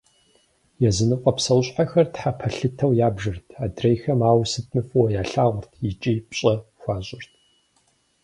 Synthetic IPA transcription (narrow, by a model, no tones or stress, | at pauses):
jɛzɨnɨqʷʼɐpsɐwɕʼħaxɐrtħapʰɐɬɨtʰɐwjaːbʒɨrtʰaːdrejxɐmaːwsɨt̚ʰmɨfʼwɐjaːɬaːʁʷʊrtʰjɪt͡ʃʼiːpɕʼɐxʷɑːɕʼɪrtʰ